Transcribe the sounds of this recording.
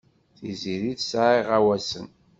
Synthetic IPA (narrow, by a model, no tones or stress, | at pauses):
θiziɾiðsʕiʁæwæsən